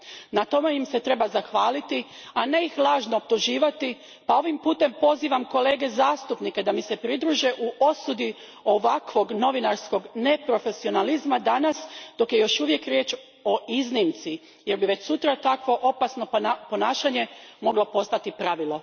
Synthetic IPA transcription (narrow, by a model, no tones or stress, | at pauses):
nat̪o̞mejimse̞t̪ɾe̞bazaxʋaːlit̪i | ane̞ixlˠaːʒnoːop̚t̪uʒiːʋat̪i | pao̞ʋimpuːt̪e̞mpo̞ziːʋamko̞le̞ːɡe̞zaːst̪upnike̞d̪amise̞pɾid̪ɾuːʒeʔuʔo̞sud̪i | o̞ʋakʋo̞ɡno̞ʋinaɾsko̞ɡne̞pɾo̞fe̞sio̞nalizmad̪anasd̪̥o̞kje̞jo̞ʃuʋje̞kɾjeːt͡ʃ | o̞iznimt̪si | je̞ɾbiʋe̞t͡ɕsut̪ɾat̪akʋo̞ʔo̞pasno̞po̞naːʃaɲe̞mo̞ɡlo̞po̞st̪at̪ipɾaʋilˠo̞